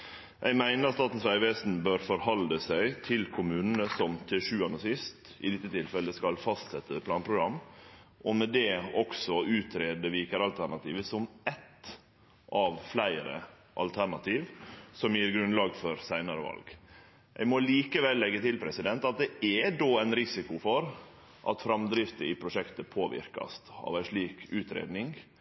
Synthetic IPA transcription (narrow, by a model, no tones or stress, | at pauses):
ʔæɪɡmæɪnəɾst̪ɑːt̪n̩sʋæɾɪʋeːsn̩bøːɾfɔɾhɑlːəsæɪt̪ʰɪlkʰʊmʉːnənəsɔmt̪ʰɪʂʉːɑnːəsɪst̪ | ɪ̰d̪ɪt̪ːət̪ʰɪlfɛləskɑlfɑst̪sɛt̪ːəpʰlɑːnpʰɾʊɡɾɑmːʔɔmɛd̪ɛɔksɔʉːt̪ʰɾeːd̪əʋiːkəɾɑlt̪ʰæɳɑt̪iːʋəsɔmɛt̪ | ʔɑʋflæɪɾə̰ | ʔɑ̰lt̪ʰæɳɑt̪ʰiːʋsɔmjiːɾɡɾʉnlɑːɡfɔɾsæɪnɑɾəʋɑ̰lɡ | ʔæ̰ɪɡmɔliːkəʋɛlːɛɡːət̪ɪlpʰɾɛsɪd̪ɛnt̪ɑt̪̚d̪ɛɛd̪oːæɪnɾɪsɪkʊfɔɾ | ʔɑ̰t̪fɾɑmd̪ɾɪft̪əɪpʰɾʊʂɛkt̪əpʰoːʋɪ̰ɾkɑ̰st̪ɑ̰ʋæɪʂɭiːkʉːt̪ɾḛːd̪nɪŋ